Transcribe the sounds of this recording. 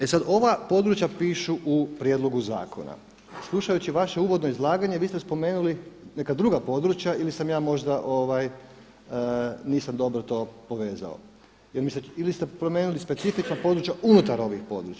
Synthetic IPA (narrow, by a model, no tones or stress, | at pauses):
e̞sad̪o̞ʋapo̞d̪ɾut͡ɕjapiːʃuʔupɾje̞d̪lˠo̞ɡuza̰ːkʰo̰na̰ | slˠuʃajut͡ɕiʋaʃeuːʋo̞d̪no̞izlˠaːɡaɲeʋiːst̪espo̞me̞ːnuline̞kad̪ɾuːɡapo̞d̪ɾut͡ɕjailisamjaːmo̞ʒd̪aʔoʋaj | niːsamd̪o̞bɾot̪o̞ːpo̞ʋe̞ːza̰o̰ | jelmisilist̪epɾo̞meːnulispesifit͡ʃnapo̞d̪ɾut͡ɕjaʔunut̪aɾo̞ʋixpo̞̰d̪ɾut͡ʃa